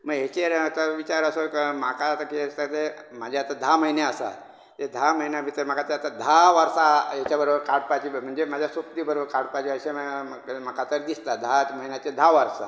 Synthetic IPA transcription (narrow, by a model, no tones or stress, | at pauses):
məɡɦet͡ɕeɾt̪əʋit͡ɕaɾəsokəmakat̪akist̪at̪e | mad͡ʑʱaat̪ad̪ʱaməɦineasa̰ | t̪ed̪ʱaməɦinjabʱit̪əɾmakat̪əɾat̪ad̪ʱaʋaɾsajet͡ɕabəɾobəɾkaɽpat͡ɕiːm̤əɳd͡zemad͡ʑʱjasop̚d̪ibəɾobəɾkaɽpat͡ɕiəɕeə | makat̪əɾd̪ist̪ad̪ʱaməinjat͡ɕed̪ʱaʋaɾsa̰